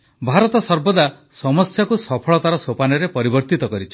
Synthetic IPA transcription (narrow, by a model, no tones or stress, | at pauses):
bʱaɾɔt̪ɔsɔɾbɔd̪a | sɔmɔsjakusɔpʰɔɭɔt̪aɾɔsopanɔɾepɔɾibɔɾt̪it̪ɔkɔɾit͡ʃʰi